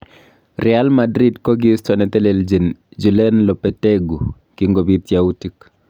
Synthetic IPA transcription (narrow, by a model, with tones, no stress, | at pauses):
ɾʔɛalmadɾi˦dkɔ˦ɡistɔ˨nɛ˨t̪ɛ˦le˨ld͡ʒe˨nd͡ʒu˨lɛ˦nlɔ˨pɛte˦ɡu˨ | ki˨ŋɡo˨bit̪jautik